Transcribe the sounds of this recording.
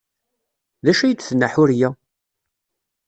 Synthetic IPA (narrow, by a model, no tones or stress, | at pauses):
ðæʃæjət͡sːθənːəħʊɾjæ